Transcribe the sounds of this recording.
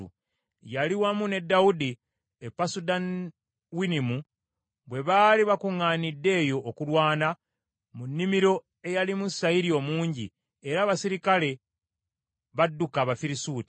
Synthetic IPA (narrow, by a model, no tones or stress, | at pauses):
ṵ | jaliwamune̞dːawudi | epːasudan | winimu | βwe̞βaliβakuŋːaːnidːe̞ːjo̞ʔːkulwaːna | munːimiɾo̞ | e̞jalimusaiɾio̞muːɲɟḭ | eɾaːβasiɾikale̞ | βadːukaːβafiɾisuːti̥